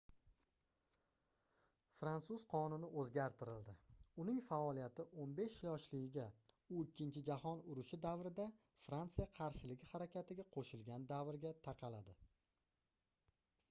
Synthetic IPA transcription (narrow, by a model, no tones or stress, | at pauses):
fɾant̪suz̥qʰɒnʊnɪʔɵzɡʲaɾt̪ʰɪɾɪld̪ɪʊnɪŋfaɒlijat̪ʰɪʔonbe̞ʃlɒʃlɪɡʲɪɡʲa | ʊɪkʲːɪnt͡ʃʰɪd͡ʒahɒnʊɾʊʃɪd̪avɾɪd̪a | fɾant̪sɨjaqʰɑɾʃɪlɪɡʲɪhaɾakʲʰat̪ɪɡʲaqʰoʃɪlɡʲand̪avɾɡʲat̪ʰɑqʰɑlad̪ɪ